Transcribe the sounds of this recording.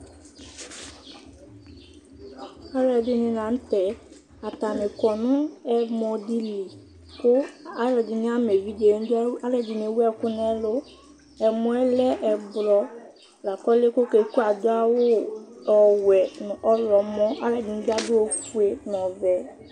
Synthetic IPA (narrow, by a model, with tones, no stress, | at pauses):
a˦ɾɛ˨dɪ˦nɪ̃˨nã˨n̩˦tɛ˨ | a˨ta˨mɪ˨kɔ˨nʊ̃˦ɛ˦mɔ˨di˦li˨ | kʊ˦a˦ɾɛ˨dɪ˨nɪ˦a˦me˨vi˦de˨˦n˦a˦lɛ˨dɪ˨n˨e˨wɛ˦kʊ˦n˦ɛ˦lʊ˦ | ɛ˨mʊ̃˨˦ɛ˦lɛ˦ʔɛ˨blɔ˨ | la˨kɔ˦lɪ˦ko˦ke˨˦ku˦a˨dʊ˦a˦wʊ˦ɔ˨wɛ˨ɔ˦lɔ˨mɔ̃˦ʔa˦ɾɛ˨dɪ˨n̩˦da˦dʊ˦o˨fu˦e˨n˨ɔ˨vɛ˨˦